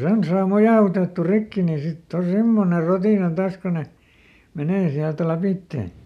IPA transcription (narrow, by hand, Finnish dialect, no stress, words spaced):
sen sɑː mojɑˑutetːu rikːi ni sitː o semːone rotiˑnɑ tɑːs ko ne meneː siælt læpitːeˑ